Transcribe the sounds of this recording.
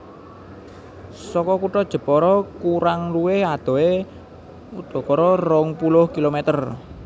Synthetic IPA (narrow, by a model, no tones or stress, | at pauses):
sɔkɔkuʈɔd̥ʒ̥ə̤pɔɾɔkuɾaŋluwɪhad̪̥ɔ̤e | ud̪̥ɔ̤kɔɾɔrɔŋpulʊhkilomɛt̪ər